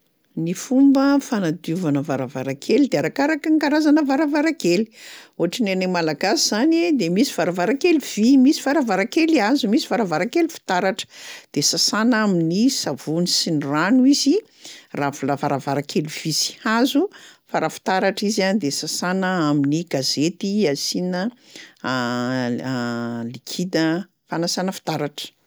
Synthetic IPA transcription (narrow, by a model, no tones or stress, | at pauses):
nifumbəfanad̪uvanəvaɾavaɾakʰelid̪eaɾakaɾakəŋkaɾazanəvaɾavaɾakeli̥oɦaʈ͡ʂinenemalaɡasiz̥anid̪emisivaɾavaɾakeliv̥imisi̥vaɾavaɾakeliazumisivaɾavaɾakelifi̥t̪aɾaʈ͡ʂə̥d̪̥esasanaminisavunisiniranuizi | ravulavaɾavaɾakeliv̥isi̥hazufaɾafi̥t̪aɾaʈ͡ʂizand̪esasanəaminiɡazet̪iasinə | likʰid̪ə | fanasanəfi̥t̪aɾaʈ͡ʂə̥